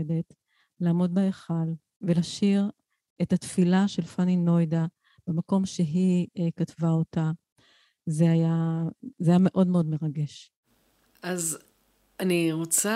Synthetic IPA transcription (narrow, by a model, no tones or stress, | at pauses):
edet | laːmo̞d̚baeχal | velaʃiʁ | etat̪filaʃe̞lfanino̞jda | b̥emako̞mʃe̞ɦikatvaota | zeajazeajame̞ʔo̞dmeo̞d̪me̞ʁaɡe̞ʃ | az | aniʁot͡sa